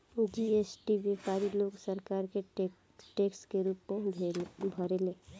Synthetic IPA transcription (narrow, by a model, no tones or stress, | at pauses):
d͡ʒiesʈibekaːɾiloːɡsəɾkaːɾke | ʈeːkskeɾuːpmebʱəɾele